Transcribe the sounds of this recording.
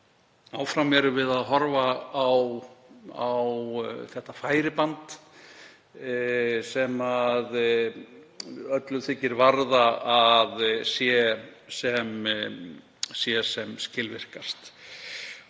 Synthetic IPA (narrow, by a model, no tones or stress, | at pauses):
aːwfɾamɛɾʏvɪðaðɦɔɾvaːw | awθɛht̪ːafaːjɾɪpant̪ | sɛmað | œt̪lʏθʰɪcːɪɾvaɾðaaðsjɛsɛm | sjɛsɛmscɪlvɪr̥kast̪